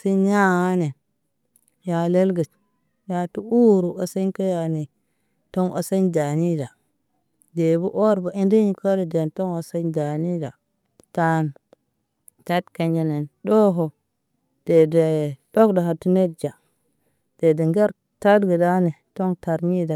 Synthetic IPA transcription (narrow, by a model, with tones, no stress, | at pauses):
si˦ɲa˦ŋa˦ne˨ | ja˨le˦lɡə˨t͡ʃ | ja˨tu˦u˦ɾu˨o˨se˦nka˦ja˨ni˨ | to˦ŋʔo̰˨se˦nda˨ni˦da˨ | de˨bu˦ʔo˦ɾba˨i˦ndi˦ɲi˦ko˦ɾe˨de˨nto˦ŋo˨se˦nda˨ni˦da˨ | ta˦n | ta˦tka˨nd͡ʒe˨ne˨ndo˦ɦo˨ | d̥e˨de˨do˦kda˨ha˨tu˦ne˦d̚d͡ʒa˨ | d̥e˨de˨ŋɡe˦ɾ | ta˦dɡə˨da˦ne˨to˦ŋta˨ɾɲi˦da˨